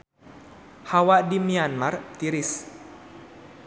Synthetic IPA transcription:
hawadimianmart̪iɾis

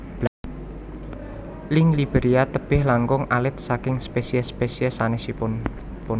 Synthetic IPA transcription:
b | lɪŋlib̥eɾiat̪əb̥ɪhlaŋɡʊŋʔalɪt̪̚sakɪŋspesiɛspesiɛsanɛhsipʊn | pʊn

